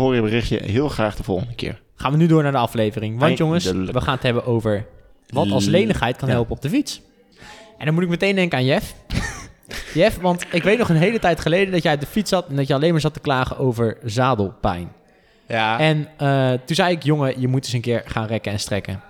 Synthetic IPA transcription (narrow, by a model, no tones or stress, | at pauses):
oːɹjəbərɪχjə̰ɦɪːlˠχraːχd̥əv̥ɔ̰lˠχəndəkɪ̰ːɹ | χaːnʋənydʊːɹnaːɹdəɑflejvərɪŋʋɑnjoŋəsʋəχaːnətɦɛbəʔowvəɹ | ʋɑtɑlslejnəχɦɛjt̚kɑnɦɛlˠpəɔb̚dəfits | ʔɛndɑnmutɪkmətejndɛŋkəaːnjɛf | jɛfʋɑntɪkʋejtnɔχənɦejlətɛjtχəlejdəndɑtjɛj̚dəfitsɑtɛndɑtjəɑlejnmaːɹzɑtə̥klaːχəʔowvəɹzaːdəlˠpɛ̰jn | ɛnətunzɛjɪkjoŋəjəmut̚dɵsə̃nkɪːɹχaːnrɛkəɛnstrɛkə